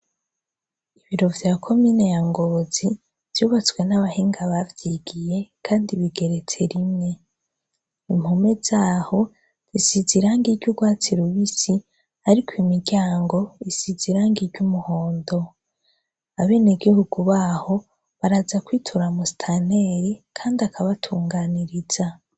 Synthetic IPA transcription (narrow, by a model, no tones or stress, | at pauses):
iβiɾo̞vjaːkʰo̞mine̞jaŋɡo̞zi | v̥juːβat͡swe̞naβahiːŋɡaβavjiɡije̞kʰaːndiβiɡe̞ɾe̞t͡se̞ɾimɲe̞ | im̥home̞z̥aːho̞ | z̥isiziɾaːŋɡiɾɟuɡwaːt͡siɾuβisi | aɾikwimiɾɟaːŋɡo̞isiziɾaːŋɡiɾɟumuho̞ːndo̞ | aβe̞ːneɡihuɡuβaːho̞ | βaɾazakwiːtʰuɾamusi̥tʰaneɾikʰaːndiakʰaβatʰuːŋɡaːniɾiz̥a